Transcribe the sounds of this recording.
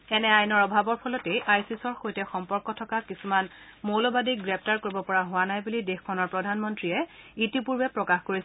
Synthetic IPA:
ɛnɛajnɔɹɔbʱabɔɹpʰɔlɔtɛjʔajsisɔɹxojtɛxɔmpɔɹkɔtʰɔkakisuman | molɔbadiɡɹɛp̚ʰtaɹkoɹibɔpɔɹaɦʊwanajbulidexkʰːɔnɔɹpɹɔdʱanmɔntɹijɛitipuɹbɛpɹɔkaxkoɹis

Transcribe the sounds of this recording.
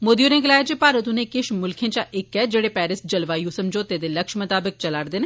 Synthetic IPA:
moːd̪ijonẽɡɐlaːjat͡ʃepaːɾət̪ũnẽkɪʃmʊlkʰẽt͡ʃaʔekːɛd͡ʒeːɽepɛːɾɪs̚d͡ʒɐlʋaːjusɐmd͡ʒoːt̪eːd̪elɐkʃmɐt̪aːbɪk̚t͡ʃɐlaːɾd̪ɪn

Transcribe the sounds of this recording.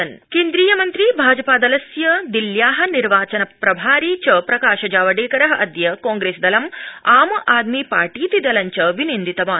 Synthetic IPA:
ɐnkeːnd̪ɾiːjɐmɐnt̪ɾiːbʱaːd͡ʒɐpaːd̪ɐlɐsjɐd̪iljaːɦɐniɾʋaːt͡ʃɐnɐpɾɐbʱaːɾiːt͡ʃɐpɾɐkaːʃɐd͡ʒaːʋɐɖeːkɐɾɐɦɐʔɐd̪jɐkɔ̃ːŋɡɾeːsd̪ɐlɐmaːmɐʔaːd̪miːpaːɾʈiːt̪id̪ɐlɐɲt͡ʃɐʋinind̪it̪ɐʋaː

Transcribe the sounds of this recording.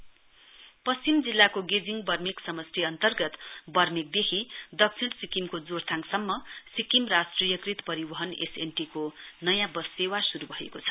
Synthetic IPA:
pʌst͡simd͡zilːakoɡed͡ziŋɡbʌrmiksʌmʌst̪ʰiʌnt̪ʌrɡʌt̪bʌrmik̚d̪ekʰid̪ʌk̚t͡sʰiɳsikimkod͡zort̪ʰaŋsʌmːʌsikimrasʈrijʌkrit̪pʌɾibʌɦʌnḛsenʈikonʌjãbʌsewasuɾubʱʌɦḛkot͡sʰʌ̥

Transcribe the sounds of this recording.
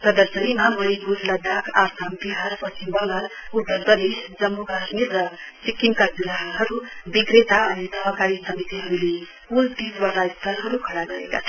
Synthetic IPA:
pɾʌd̪ʌɾsʌnimamʌɾiɡuɾlʌd̪akʰasambiɦaɾpʌsimbʌŋɡalud̪ʌɾprʌd̪esd͡zʌmːokasmirːʌsikːiŋkad͡zuɾaɦɦʌɾubiɡɾet̪aʌnisʌɦʌkaɾisʌmit̪iɦʌɾule | ult̪isbʌlaist̪ʌɾɦʌɾukʰʌɽaɡʌɾḛka̰t͡sʰʌ

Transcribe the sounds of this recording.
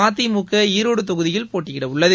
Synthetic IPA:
aːt̪̬ːimukːɐiːɾoːɽɯt̪ɔɣɯðɪjɪlpoːʈːɪkɪɽɐʊɭːɐðɯ

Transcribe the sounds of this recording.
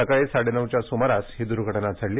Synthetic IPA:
əkaɭesaɽenəʋt͡ɕjasumaɾashid̪uɾɡʱəʈnat͡sʰəɽli

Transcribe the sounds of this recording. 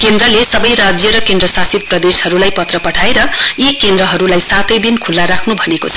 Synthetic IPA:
kend̪ɾʌlesʌbʌjɾad͡zjʌɾʌkend̪ɾʌsasit̪̚prʌd̪eshʌɾulajpʌt̪rʌpʌʈʰaeɾʌjekend̪ɾʌɦʌɾulajsat̪ʌjd̪inkʰulːaɾakʰnubʱʌnekot͡sʰʌ

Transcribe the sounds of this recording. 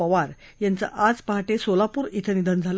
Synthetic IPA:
əʋaɾjant͡sa̰ʔad͡zpaɦaʈesolapuːɾit̪ʰənid̪ənd͡zʱal

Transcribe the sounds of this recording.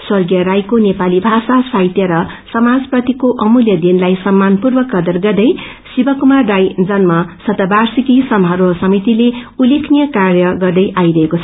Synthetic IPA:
swʌrɡijʌɾajkonepalibʱasasajt̪jʌɾʌsʌmad͡zprʌt̪ikoʔʌmuljʌd̪inlajsʌmːanpurbʌkʌd̪ʌrɡʌrd̪ʌj | sibʌkumarːajd͡zʌnmʌsʌt̪ʌbarsikisʌmɦʌɾʌsʌmit̪ileulekʰnijʌkarjʌɡʌrd̪ʌjʔajɾʌɦekot͡sʰʌ

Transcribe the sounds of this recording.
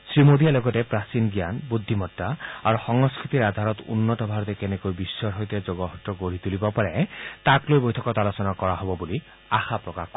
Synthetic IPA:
sɾimod̪ijaloɡɔtepɾasinɡjanbud̪ʱːimɔtːaaɾuxɔŋɔskɾit̪iɾad̪ʱaɾɔt̪ṵnːɔtɔbʱaɾɔt̪ekenekojbisːɔɾɦojt̪ed͡ʒoɡɔɦɔtːɔkoɾit̪ulibɔpaɾet̪aklojbojt̪ʰɔkɔt̪alosɔnakɔɾaɦɔbɔbuli | axapɾɔkak

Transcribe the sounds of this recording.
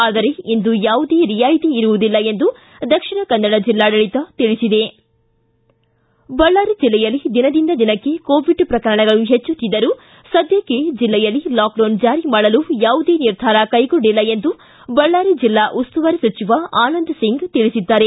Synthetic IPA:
aːd̪ɐɾe̞ind̪ujaːʋud̪eːɾijaːjit̪iːɾuʋud̪ilːɐe̞nd̪u | d̪ɐkʂiɳɐkɐnːɐɽɐd͡ʒilːaːɖɐɭit̪ɐt̪iɭisid̪e̞ | bɐɭːaːɾid͡ʒilːɛjɐlːid̪inɐd̪ind̪ɐd̪inɐkːe̞koːʋiɖpɾɐkɐɾɐɳɐɡɐɭuɦet͡ʃːut̪ːid̪ɐɾu | sɐd̪ʱjɐked͡ʒilːɛjɐlːilaːk̚ɖɐwnd͡ʒaːɾimaːɭɐlujaːʋud̪e̞ːniɾd̪ʱaːɾɐkɐjɡoɳɖilːɐe̞nd̪u | bɐɭːaːɾid͡ʒilːaːʔust̪uʋɐɾisɐt͡ʃiʋɐaːnɐnd̪ɐsiŋɡt̪iɭisid̪ːaːɾe̞

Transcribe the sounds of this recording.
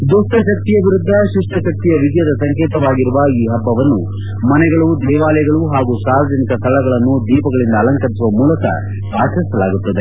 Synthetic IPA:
d̪usʈɐʃɐk̚t̪ijɐʋiɾud̪ʱːɐʃuʂʈɐʃɐk̚t̪ijɐʋiɡ̪jɐd̪ɐsɐŋkeːt̪ɐʋaːɡiɾuʋɐiːɦɐbːɐʋɐnːu | mɐnɛɡɐɭud̪ɛːʋaːlɐjɐɡɐɭuɦaːɡusaːʋɐd͡ʒʱɐnikɐst̪ʰɐlɐɡɐɭɐnːud̪iːpɐɡɐɭind̪ɐːlɐŋkɐɾisuʋɐmuːlɐkɐ̰ | bʱaːʃɐɾisɐlaːɡut̪ːɐd̪e̞

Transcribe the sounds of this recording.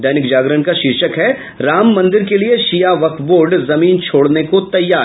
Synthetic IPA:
ɛːnɪkd͡ʒaːɡɾənkaʃɪɾʃəkɦɛ | ɾaːmːɐ̃nd̪ɪɾkelieʃijaʋɐkboːɾɖzɐmiːnt͡ʃʰoːɽnekot̪ɐjːaː

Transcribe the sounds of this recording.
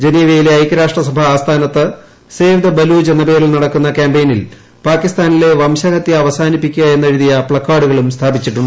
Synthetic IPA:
d͡ʑe̞niːʋɐjile̞ɐjkːɐɾaːʂʈrɐsɐbʱɐaːst̪ʰaːnɐt̪ːɨ | seːʋid̪ɐbɐluːd͡ʑenːɐpe̞ːɾilnɐɽɐkːunːɐkaːmbejnil | paːkːist̪aːnile̞ʋɐmɕɐɣɐt̪ːjɐːʋɐsaːnipːikʲːuɣɐe̞nːe̞ɻiðijɐpɭɐkːaːɽuɣɐɭumst̪ʰaːbit͡ɕːiʈːuɳɖɨ

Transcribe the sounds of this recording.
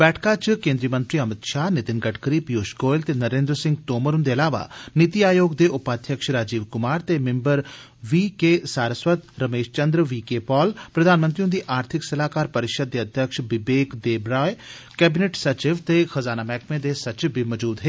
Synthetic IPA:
bɛːʈʰkat͡ʃkẽːnd̪ɾijəmɐ̃nt̪ɾiɐmɪt̪ʃaːnɪt̪ɪnɡɐʈʰkəɾipijoːʃkoːjlt̪enɐɾẽːnd̪ɾsɪ̃ŋɡt̪oːməɾund̪eɐlaːʋa̰nɪt̪iaːjoːɡd̪eʔʊpaːd̪ʱjɐkʃɾaːd͡ʒiːʋkʊmaːɾt̪emẽmbəɾ | ʋikesaːɾəsʋət̪ɾɐmeːʃt͡ʃɐnd̪ɾəʋiːkepɔːlpɾɐd̪ʱaːnmənt̪ɾiũnd̪iʔaːɾt̪ʰɪksɐlaːkaːɾpɐɾɪʃəd̪̚ːeɐd̪ʱjɐkʃbɪbeːkd̪eːbɾaːj | kɛːbɪneːʈsɐt͡ʃɪʋt̪exɐzaːnamɛːkmẽd̪esɐt͡ʃɪʋbɪməd͡ʒuːd̪ɦeː

